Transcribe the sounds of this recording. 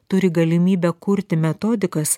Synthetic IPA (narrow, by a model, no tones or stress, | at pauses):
t̪ʊɾʲɪɡɐlʲɪmʲiːbʲɛkʊɾʲt̪ʲɪmʲɛt̪oːd̪ʲɪkɐs